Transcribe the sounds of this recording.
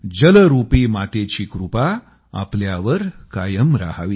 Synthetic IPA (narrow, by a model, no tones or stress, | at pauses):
d͡ʑələɾupiːmat̪et͡ɕiːkɾupa | a̰pljaʋəɾkajəmɾa̰ɦaʋi